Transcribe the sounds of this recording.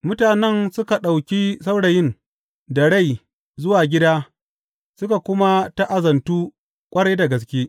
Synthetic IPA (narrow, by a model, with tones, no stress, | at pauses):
mʊ˦taː˨nɛ˦nsʊ˦ka˨ɗa˨wkʲiː˦sa˦wɽa˨jɪ˦n | dɐ˨ɽa˦˨j | zʊ˦waː˨ɡʲɪ˦daː˦ | sʊ˦ka˨kʷʊ˦ma˦ta˦ʔa˨zɐ˨ntuː˦ | kʷʼɐ˦ɽaː˦da˨ɡɐ˨s̬kʲeː˦